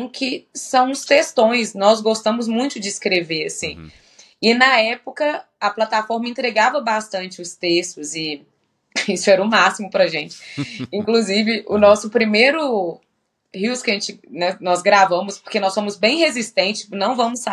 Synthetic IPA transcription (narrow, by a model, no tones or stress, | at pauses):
kʰɪsɐ̃w̃st̪est̪õj̃snɔzɡost̪ɐ̃mʊzmũj̃t̪ʊd͡ʒɪskɾeveɾɐsĩ | ɪnɐɛpʊkɐ | ɐplat̪afɔɾmɐẽnt̪ɾeɡavɐbast̪ɐ̃nt͡ʃɪʊst̪est̪ʊzɪ | isʊɛɾɐʊmasimʊpɾɐʒẽt͡ʃɪ̥ĩŋkluzivɪʔʊnɔsʊpɾimejɾʊ | hiwskɪɐʒẽt͡ʃɪnɛnɔzɡɾavɐ̃mʊspo̥kenɔsːõmʊzbẽj̃hezist̪ẽnt͡ʃɪ̥snɐ̃w̃vɐ̃mʊsa